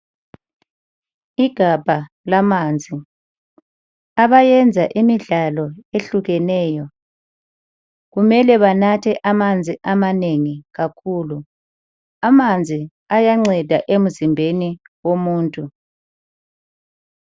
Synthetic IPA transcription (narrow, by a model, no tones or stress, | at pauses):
iɡ̥ʱab̥ʱa | lamaːnd͡zʱi | aβajɛnd͡zʱa̰ʔimiɮalɔeɬuɣɛnɛːjɔ | ɣumɛlɛβanatʰɛʔamand͡zʱiʔamaneŋiɣakʰuːlu | amand͡zʱi | ajaŋ͡ǀɛd̥ʱaʔem̩zimbʱeni | womuːntʼu